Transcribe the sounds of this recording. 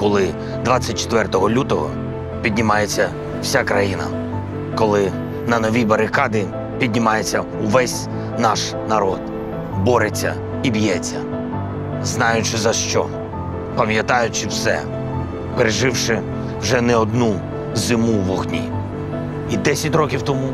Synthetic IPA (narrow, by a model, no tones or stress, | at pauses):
kɔlˠɪ | d̪ʋɑt͡sʲːɐt̚ʲt͡ʃe̥t̪ʋɛrt̪ɔɦɔlʲut̪ɔɦɔ̰ | pʲid̪ʲnʲimɑjet͡sʲːɐ | w̥sʲakɾɐjinɐ̰ | kɔlˠɪ | nɐnɔʋʲibɐɾɪkɑd̪ɪ | pʲid̪ʲnʲimɑjet͡sʲːɐ | ʊʋɛsʲ | nɑʃ | nɐɾɔd̪̥ | bɔɾet͡sʲːɐ̰ | ibjɛt͡sʲːɐ̰ | znɑjʊt͡ʃɪzɐʃt͡ʃɔ̰ | pɐmjɐt̪ɑjʊt͡ʃɪwsɛ̰ | peɾeʒɪwʃɪ | wʒɛnɛɔd̪̚nu | zɪmuʋɔɦnʲḭ | id̪ɛsʲɐtʲrɔkʲiwt̪ɔmu